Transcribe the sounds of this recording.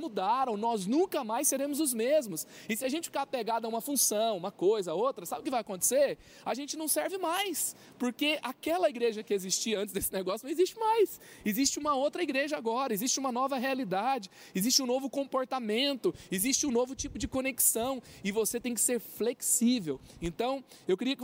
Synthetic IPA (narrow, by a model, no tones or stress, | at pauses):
mud̪aɾɐ̃w̃nɔznũŋkɐmajsːeɾẽmʊzʊzmezmʊsɪsɪaʒẽnt͡ʃɪ̥fikapeɡad̪ɐũmɐfũsɐ̃w̃ũmɐkojzɐowt̪ɾɐsabɪʊkɪvajɐkõnt̪e̥seɾ | aʒẽnt͡ʃɪnɐ̃w̃sɛɾvɪmajs | poɾkeʔakɛlɐiɡɾeʒɐkɪezist͡ʃiɐɐ̃nt͡ʃɪzd̪esɪ̥neɡɔsjʊnɐ̃w̃ɪzist͡ʃɪmajs | ɪzist͡ʃɪũmɐowt̪ɾɐiɡɾeʒɐaɡɔɾɐɪzist͡ʃɪũmɐnɔvɐɦealid̪ad͡ʒɪ | ɪzist͡ʃɪũnovʊkõmpoɾt̪amẽnt̪ʊɪzist͡ʃɪũnovʊt͡ʃipʊd͡ʒɪkoneksɐ̃w̃ɪvoset̪ẽj̃kɪ̥seɾfleksivewẽnt̪ɐ̃w̃ | ewkɪɾiɐkɪ